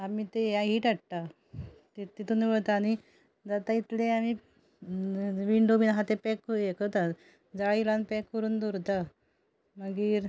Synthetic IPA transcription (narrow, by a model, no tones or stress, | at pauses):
amiːt̪ejãɦiːʈaʈʈa | t̪it̪ːit̪uniːʋəɭt̪aːni | d͡zat̪ait̪leami | ʋiɳɖominaɦat̪epɛkekət̪a | d͡zaɭilanpɛkːəɾuːnd̪oɾt̪a | məɡiːɾ